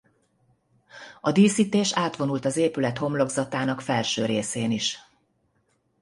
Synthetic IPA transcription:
ɒd̪iːsiːt̪eːʃaːt̪ʋo̞nult̪ɒzeːpylɛt̪ho̞mlo̞ɡzɒt̪aːnɒkfɛlʃøːɾeːseːniʃ

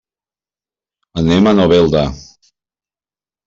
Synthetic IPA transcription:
anɛmanɔvɛlˠd̪a

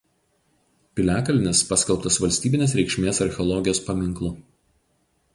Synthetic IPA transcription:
pʲɪlʲæːkɐlʲɪnʲɪspɑːsʲkʲɛlˠˑpt̪ɐsʋɐlʲsʲt̪ʲiːbʲɪnʲeːsɾʲɛɪkʃʲmʲeːsɐɾʲxʲɛɔlˠɔɡʲɪjoːspɐmʲɪŋˑklˠʊ

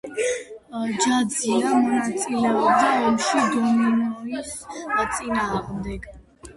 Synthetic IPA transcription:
d͡ʒad̪ziamɔnat̪sʼilɛɔbd̪aɔmʃid̪ɔminɔɾist̪sʼinaːʁmd̪ɛɡ

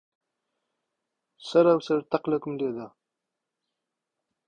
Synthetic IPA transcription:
saɾawsaɾt̪aqlakumled̪a

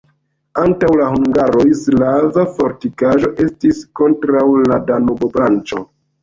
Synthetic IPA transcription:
antawlahuŋɡaɾo̞jslavafo̞ɾtikaʒo̞ʔe̞stisko̞ntɾawladanobobɾant͡ʃo̞

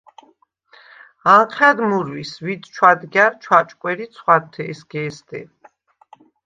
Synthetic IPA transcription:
aŋqʰɛd̪muɾwisvit̪t͡ʃʰwad̪ɡjaɾt͡ʃʰwat͡ʃʼkʼwɛɾit̪sʰχwaɾt̪ʰɛsɡɛːsd̪ɛ̰

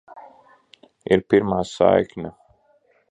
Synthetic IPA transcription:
iɾpiɾmaːsa̰ːjkna

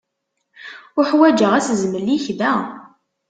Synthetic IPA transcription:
ʊħwæd͡ʒəʁæszməlːiçðæ

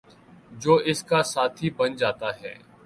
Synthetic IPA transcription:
d͡ʒoːʔɪskasaːt̪ʰiːbənd͡ʒaːt̪aːɦɛ̰ː

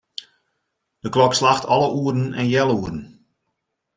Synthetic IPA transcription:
d̥əklɔkslaxtʰɔlˠəʔuːərn̩ɛ̰njɛlˠuərən̩

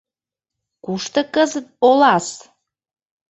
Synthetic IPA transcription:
kuʃt̪ə̆kəzət̪̚olɑs

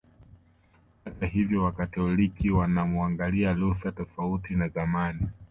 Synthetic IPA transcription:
hatahivjɔwakatɔlikiwanamuaŋɡalialuθatɔfautinazamani

